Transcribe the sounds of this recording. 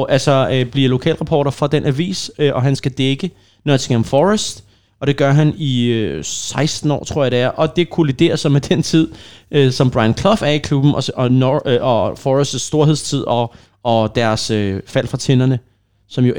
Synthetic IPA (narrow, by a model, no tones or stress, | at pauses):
ʔælsɒb̥liɐlo̝kʰɛ̰ːlʁɑ̈pʰɒ̰ːɾɐfɒ̽d̥enʔæʋḭːsøʔɒ̽ɦænsɡ̥æd̥eɡ̥ə | nøt͡sʰiŋæmfɒʁəsd̥ | ɒ̽ɾ̥e̝ɡ̥ɶɐɦæniøsɑ̈ɪsd̥n̩ɒ̰ːt͡sʰʁo̝ɐ̰jɑ̈ɾ̥e̝æɐʔɒ̽d̥e̝kʰulid̥e̝̰ːɐsɒmed̥ent͡sʰið̞̰ˠʔøsɒ̽mb̥ʁɑ̈ɪnkʰlɒ̽fæɐikʰlub̥n̩ɒɒnɔɒfɒʁesd̥sːd̥o̝ɐɦe̝st͡sʰið̞̰ˠɒ̽ː | d̥æɐsøfæl̰fʁɑ̈t͡sʰenɐnə | sɒ̽mjo̝